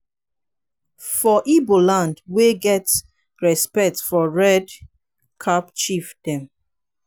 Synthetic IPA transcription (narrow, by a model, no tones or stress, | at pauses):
fɔʔibolãndweɡɛts | ɹɛspɛk̚tfɔɹɛd | kʰapt͡ʃifd̥ɛ̃m